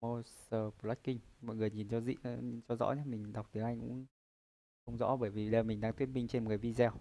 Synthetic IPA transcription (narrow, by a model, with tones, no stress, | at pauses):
o˧səː˧˩po˨˧˩lwa˦˥kï˧ŋ̟mɔ̰˧˨jŋɨ˨˩əjɲi˨˩nt͡ɕɔ˧zḭ˧˨˦nt͡ɕɔ˧zɔ̰˧˥ɲə˦mï˨˩ŋ̟ɗa˨˩k͡p̚t̪i˨˦ʔa˧jkʊ̰˧˥n | xə˧wŋ͡mzɔ̰˧˥ɓəː˧˩jvi˨˩ɗəː˧˩mï˨˩ŋ̟ɗaː˧t̪wi˦˥ən̚ɓi˧ŋ̟t͡ɕe˧nmo˨˩ka˨˩vi˧zɛ˧w